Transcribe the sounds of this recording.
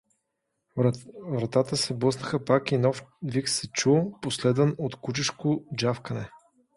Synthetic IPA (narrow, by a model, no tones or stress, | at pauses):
vɾɐt̪at̪əsɛblˠɤsnəxəpakinɔfviksɛt͡ʃuposlɛd̪ənot̪kut͡ʃiʃkod͡ʒafkənɛ